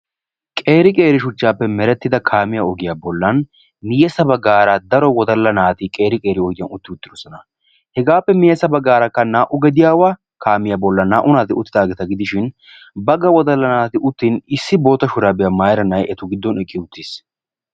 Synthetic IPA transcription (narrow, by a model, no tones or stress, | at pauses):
kʼe̞ːɾɪkʼe̞ːɾɪʃʊt͡ʃːaːpːɛmɛɾɛt̪ːɪd̪ɐkʰaːmɪjaɔɡɪjaːbɔlːɐn | mɪjɛsɐbɐɡaːɾad̪ɐɾɔwɔd̪ɐlːɐnaːt̪ikʼe̞ːɾɪkʼe̞ːɾɪɔjd̪ɪjɐnʊt̪ːɪʊt̪ːɪd̪ɔsɔnɐ | hɛɡaːpːɛmɪjɛsɐbɐɡaːɾɐkːɐnaːʔʊɡɛd̪ɪjaːwaː | kaːmɪjaːbɔlːɐnːaːʔʊnaːt̪ɪʊt̪ːɪd̪aːɡɛt̪ɐɡɪd̪ɪʃɪn | bɐɡɐwɔd̪ɐlːɐnaːt̪ɪʊt̪ːiːnɪsːɪbo̞ːt̪ːɐʃʊɾaːbɪjamaːjɾɐnɐjɛt̪ʊɡɪd̪ːɔnɛkʼːɪʊt̪ːiːs